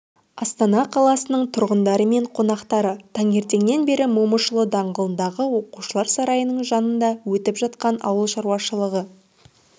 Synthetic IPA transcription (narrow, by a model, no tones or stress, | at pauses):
ɑst̪ɑnɑqʰɑlˠɑsənəɴt̪ʰʊɾʁənd̪ɑɾəme̞ɴqʰo̞nɑqt̪ɑɾət̪ʰɑŋe̞ɾt̪e̞ŋne̞nbe̞ɾɪmuməʃəlˠəd̪ɑɴʁəlˠənd̪ɑʁəwo̞quʃəlˠɑɾsɑɾɑjənəɴʒɑnənd̪ɑwɵt̪ɪpʒɑt̪̚qɑnʔɑ̰wəlˠʃɑɾuwɑʃəlˠəʁə